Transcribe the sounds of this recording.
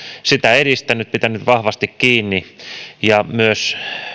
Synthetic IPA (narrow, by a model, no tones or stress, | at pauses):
sit̪æeɾist̪ænyt̪̚pit̪ænyt̪ʋɑhʋɑst̪ikkiːnːijɑmyøs